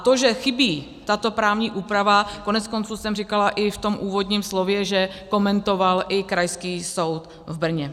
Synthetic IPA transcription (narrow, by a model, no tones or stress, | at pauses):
t̪oʒɛxɪbiː | t̪at̪o̞pɾaːvɲiːʔuːpɾavako̞nɛt͡sko̞nt͡suːsɛmrɪkalaʔɪft̪o̞mʔuːvo̞d̪ɲiːmslovjɛʒɛko̞mɛnt̪o̞valʔɪkɾajskiːso̞wt̪ | vbr̩ɲɛ